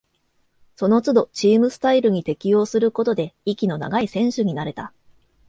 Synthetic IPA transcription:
so̞no̞t͡sɨd̪o̞t͡ɕiːmɯ̟sɨ̥t̪aiɾɯ̟ɲ̟it̪e̞kʲijo̞ːsɨɾɯ̟ko̞t̪o̞d̪e̞ikʲino̞na̰ɡaisẽ̞ɰ̃ɕɨɲ̟inaɾe̞t̪a

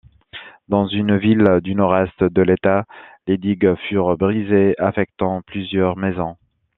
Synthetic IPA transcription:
d̪ɑ̃zynvild̪ynɔʁɛst̪d̪əlet̪aled̪iɡfyʁbʁizeafɛk̚t̪ɑ̃plyzjœʁmɛzɔ̃

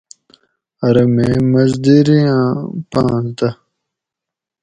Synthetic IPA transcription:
ɐɾɐmeːmɐzd̪iɾijãːpãːst̪ɐ

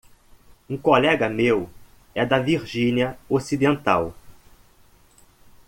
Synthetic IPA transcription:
ũkolɛɡɐmew | ɛd̪ɐviɾʒĩniɐosid̪ẽnt̪a̰w

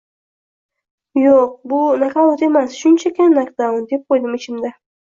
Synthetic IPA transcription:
joq̚bʊnakawot̪e̞masʃʊnt͡ʃʰakʲʰanakd̪awʊnd̪e̞p̚qʰojd̪ɪmɪt͡ʃʰɪmd̪a

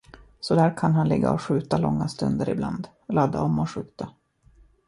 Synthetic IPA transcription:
sɔd̪æːɾkʰanɦanlɪɡːa̰ɔɧʉ̟ːt̪alɔŋːast̪ɵnd̪əɾɪbland̪ | lad̪aɔmːɔɧʉ̟ːt̪a

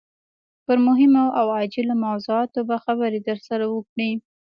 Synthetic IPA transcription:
pəɾmʊɦɪmoʔawɑd͡ʒɪlamawzuɑt̪obaxabaɾed̪əɾsaɾawəkɽi

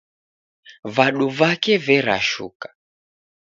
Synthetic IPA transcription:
vaɗuvakɛvɛɾa̰ʃṵkḁ

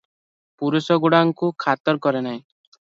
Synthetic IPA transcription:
puɾusɔɡuɽaŋkukʰat̪ɔɾkɔɾenaɦĩ

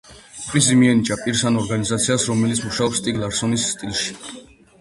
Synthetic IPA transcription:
pʰʼɾisimiɛnit͡ʃʼapʼiɾsanɔɾɡanizat̪sʰiasɾɔmɛlit̪sʰmuʃaɔpst̪ʼiɡlˠaɾsɔnisːt̪ʼilˠʃi̥

